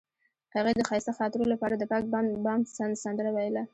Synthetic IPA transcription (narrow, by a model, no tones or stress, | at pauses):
haɣed̪əxɑjɪst̪axɑt̪ɪɾolapɑɾad̪əpɑkbɑmsasand̪əɾawajla